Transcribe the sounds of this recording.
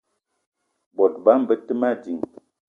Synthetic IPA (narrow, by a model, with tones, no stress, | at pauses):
bɔ˨t̚ba˦m̩˦bə˦tə˦ma˦˨d͡ʒi˨ŋ